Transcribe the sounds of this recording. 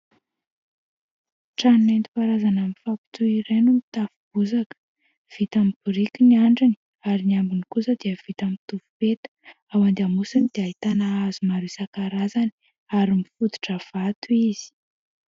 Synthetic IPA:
ʈ͡ʂannent̪u̥paɾazanamifapi̥t̪uiɾenumit̪afub̥uzakə̥ | v̥it̪amibuɾikʲiniaɳɖ͡ʐini | aɾinambinikusəd̪iəv̥it̪amit̪uvupet̪ə̥ | awand̪amusanid̪̥eait̪anaazumaɾisakaɾazani̥ | aɾimifud̪u̥ʈ͡ʂəv̥at̪uizi̥

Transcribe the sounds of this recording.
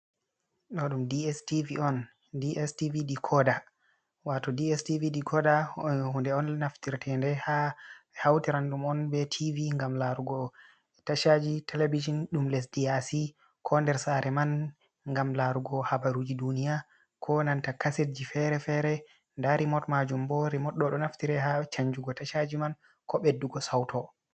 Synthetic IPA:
ɗɔɗumdiɛstiviɔn | diʔɛstiviɗikʰɔda | watɔdiɛstiviɗikʰɔdahundɛɔnːaftiɾtʰɛndɛhaɛhawtiɾanɗumɔnbɛtʰiviŋɡamlaɾuɡɔ | taʃad͡ʒitʰɛlebid͡ʒɔnɗumlɛsdiasi | kʰɔndɛɾsaɾɛman | ŋɡamlaɾuɡɔhabaɾud͡ʒidunija | kʰɔnantakaset̚d͡ʒifɛɾɛfɛɾɛ | ndaɾimɔtmad͡ʒumbɔɾimɔɗɔɗɔnaftiɾɛhat͡ʃaɲd͡ʒuɡɔtaʃad͡ʒiman | kʰɔɓedːuɡɔsawtʰɔ

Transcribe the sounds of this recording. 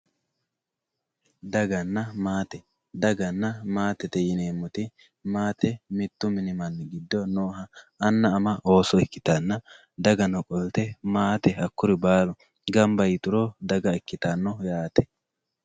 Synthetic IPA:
d̪ɐɡɐnːɐmaːt̪ɛ | d̪ɐɡɐnːɐmaːt̪ɛt̪ɛjɪneːmːʊt̪ɪ | maːt̪ɛmɪt̪ːʊmɪnɪmɐnːɡɪd̪ːɔnoːɦɐː | nːɐːmɐʔo̞ːsɔɪkːɪ̥t̪ɐnːɐ | d̪ɐɡɐnɔkʼɔlt̪ɛmaːt̪ɛhɐkːʊɾɪbaːlʊ | ɡɐmbɐjɪt̪ʊɾoːd̪ɐɡɐɛkːɪt̪ɐnːɔjaːt̪ɛ̥

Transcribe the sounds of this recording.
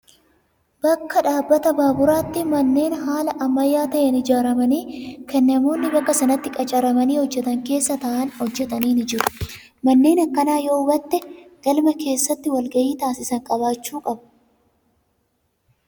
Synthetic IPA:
b̥ɐkːɐᶑaːbːɐt̪ɐbaːbʊɾaːt̪ːɪmɐnːe̞ːnɦaːlɐʔɐmːɐjːaːt̪ɐʔɐnɪd͡ʒaːɾɐmɐniːkʰɛnːɐmo̞ːnːɪbɐkːɐsɐnɐt̪ːɪkʼɐt͡ʃʼɐɾɐmɐniːhɔd͡ʒːɛt̪ɐŋke̞ːsːɐt̪ɐʔɐnhɔd͡ʒːɛt̪ɐniːnɪd͡ʒɪɾʊ̥ | mɐnːe̞ːnɐkːɐnaːjoːʊbɐt̪ːɛɡ̥ɐlmɐke̞ːsːɐt̪ːɪwɐlɡɐjiːt̪aːsɪsɐŋkʼɐβaːt͡ʃːuːkʼɐbɐ

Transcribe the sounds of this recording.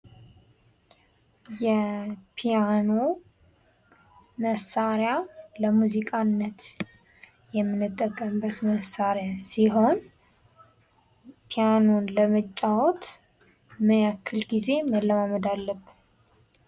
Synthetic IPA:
jɛpʰijano̞ | məsaɾjaləmuzikʼanːət̪ | jɛmːɨnːɨt̪ʼːəkʼːəmbət̪məsaɾjasiɦo̞n | pʰijano̞nləmət͡ʃʼːawɔt̪ | mɨnakʰːɨlɡize̞məlːəmaməd̪alːəb

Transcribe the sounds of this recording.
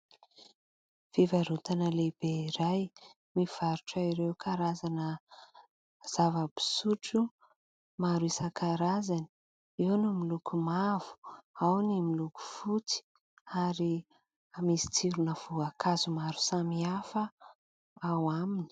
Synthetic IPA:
v̥ivaɾut̪anəleb̥eiɾaj | miv̥aɾuʈ͡ʂaiɾewkʰaɾazanə | z̥avəbi̥suʈ͡ʂu | maɾuisəkʰaɾazani̥ | iwnumilukumav̥u̥awnimiluku̥fut͡si̥ | aɾi | amisi̥t͡siɾunəv̥uakʰazumaɾusamiafə | awamini̥

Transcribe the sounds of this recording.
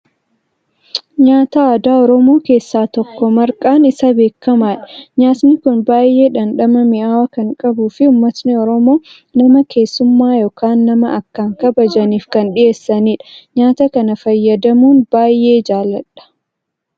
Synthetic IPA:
ɲaːt̪ɐaːd̪aːɔɾɔmo̞ːke̞ːsːaːt̪ɔkːɔmɐɾkʼaːnɪsɐbe̞ːkːɐmaːᶑɐɲaːt̪nɪkʊnbaːje̞ːᶑɐnᶑɐmɐmɪʔaːwɐkɐŋkʼɐbuːfɪʊmːɐt̪nɪɔɾɔmo̞ː | nɐmɐke̞ːsːʊmːaːjoːkaːnːɐmɐʔɐkːaːŋkɐbɐd͡ʒɐniːfkɐnᶑɪʔe̞ːsːɐniːᶑɐ̥ɲaːt̪ɐkɐnɐfɐjːɐd̪ɐmuːnbaːjʔe̞ːd͡ʒaːlːɐᶑɐ̥

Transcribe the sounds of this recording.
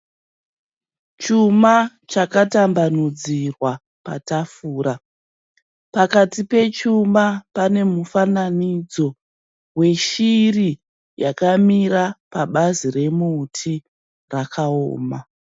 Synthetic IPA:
t͡ʃuma | t͡ʃakatambanud͡zirwa | pa̰tafuːɾa | pakatipe̞t͡ʃumapane̞mufananid͡zo̞ | we̞ʃiri | jakamiɾapaɓazire̞muːtʰi | rakʰao̰ːma

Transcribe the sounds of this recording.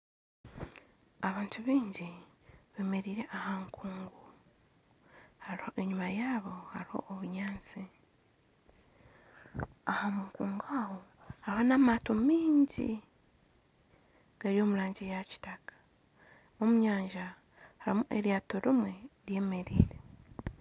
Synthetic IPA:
aβaːntʰuβiːɲɟiβe̞ːme̞ɾiːɾe̞ʔahaŋkʰuːŋɡu | haɾiho̞ʔe̞ɲumajaːβo̞haɾiho̞̰ʔːβuɲaːnt͡si | ahamuŋkuːŋɡaho̞ | hahonamatomiːɲɟḭ | ɡ̥aɾio̞ːmulaːɲɟijaci̥takḁ | omuɲaːɲʒa | haɾimuʔeɾjaːto̞ɾimwe̞ɾje̞ːme̞ɾḭːɾe̞

